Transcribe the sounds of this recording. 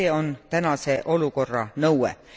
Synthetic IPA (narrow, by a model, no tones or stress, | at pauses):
eːo̞nt̪ænɑse̞ʔo̞luko̞rːɑ̰nɤwḛ